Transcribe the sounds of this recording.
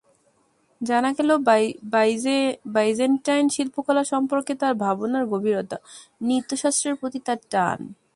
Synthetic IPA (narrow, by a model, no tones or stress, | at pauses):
d͡ʑanaɡɛlob | bajd͡ʑenʈajnʃilpokɔlaʃɔmpoɾket̪aɾbʱabonaɾɡobʱiɾot̪a | nit̪ːoʃast̪ɾeɾpɾot̪it̪aɾʈa̰n